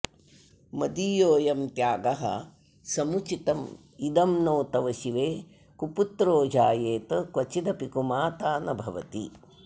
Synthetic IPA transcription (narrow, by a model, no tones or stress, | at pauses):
mɐd̪ijoːjɐmt̪jaːɡɐɦɐ̰ | sɐmut͡ʃit̪ɐm | id̪ɐmnoːt̪ɐʋɐʃiʋeː | kuput̪ɾoːd͡ʒaːjeːt̪ɐkʋɐt͡ʃid̪ɐpikumaːt̪aːnɐbʱɐʋɐ̰t̪i